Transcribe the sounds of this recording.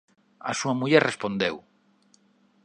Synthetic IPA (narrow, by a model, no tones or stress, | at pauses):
ɐ̰suɐmuʎɛɾrespond̪ew